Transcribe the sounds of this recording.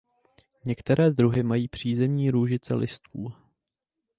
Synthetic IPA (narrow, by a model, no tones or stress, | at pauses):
ɲɛkt̪ɛɾɛːd̪ɾuɦɪmajiːpr̝̥iːzɛmɲiːɾuːʒɪt͡sɛ̰lʔɪst̪ʰuː